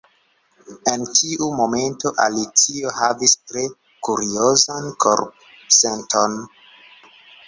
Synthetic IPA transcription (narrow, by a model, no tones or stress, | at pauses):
e̞ntʰiʔumo̞me̞nto̞ʔa̰lit͡sio̞havistɾe̞ | kuɾio̞zankʰo̰ɾp̚ | se̞nto̞n